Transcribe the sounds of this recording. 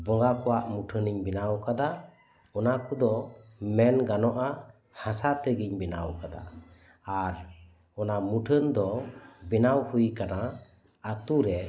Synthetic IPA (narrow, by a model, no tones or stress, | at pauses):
bɔŋɡakɔwaʔmuʈʰəniɲbinawkad̪a | ɔnakud̪ɔmɛnɡanɔʔa | hasat̪ɛɡiɲbinawkad̪a̰ː | ɾ | ɔnamuʈʰənd̪ɔbinawhujkana | at̪uɾɛ